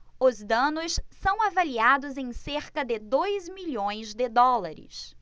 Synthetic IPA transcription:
ʊzd̪ɐ̃nʊssɐ̃w̃avaliad̪ʊzẽj̃seɾkɐd̪ɪd̪ojzmiʎõj̃zd̪ɪd̪ɔlaɾɪ̰s

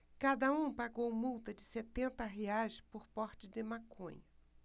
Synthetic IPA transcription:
kad̪ɐũpaɡowmuwt̪ɐd͡ʒɪset̪ẽnt̪ɐɦeajspoɾpɔɾt͡ʃɪd̪ɪmakʰõ̰ɲɐ

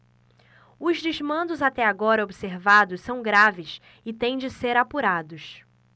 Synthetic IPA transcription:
ʊzd͡ʒɪzmɐ̃nd̪ʊzat̪ɛaɡɔɾɐobiseɾvad̪ʊssɐ̃w̃ɡɾavɪs | ɪt̪ẽj̃d͡ʒɪseɾapuɾad̪ʊs

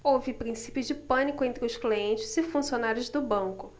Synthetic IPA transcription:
owvɪpɾĩsi̥pjʊd͡ʒɪpɐ̃nikʊẽnt̪ɾɪʊskliẽnt͡ʃɪzɪfũsionaɾjʊzd̪ʊbɐ̃ŋkʊ

